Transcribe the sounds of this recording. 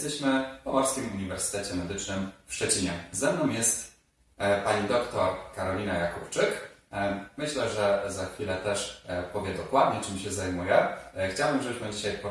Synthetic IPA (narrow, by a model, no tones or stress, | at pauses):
ɛst̪ɛɕmɘpɔmɔɾskʲimuɲivɛɾsɘ̥t̪ɛt͡ɕɛmɛd̪ɘt͡ʂnɘmfʂt͡ʂɛt͡ɕiɲɛzɛmnɔ̃w̃jɛst̪ | paɲid̪ɔkt̪ɔɾkaɾɔlʲinajakupt͡ʂɘk | mɘɕlɛʐɛzaxfʲilɛt̪ɛʂpɔvʲjɛd̪ɔkwad̪̚ɲɛt͡ʂɘmɕɛzajmujɛxt͡ɕawbɘmʐɛuʂmad͡ʑiɕajpɔ